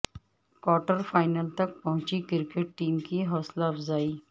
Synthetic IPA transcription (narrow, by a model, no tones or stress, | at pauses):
kɔːʈəɾfaːɪnəlt̪ɐk̚pɐɦʊ̃t͡ʃikɪɾkeʈ̚ʈiːmkiɦɔːslaɐfzaːiː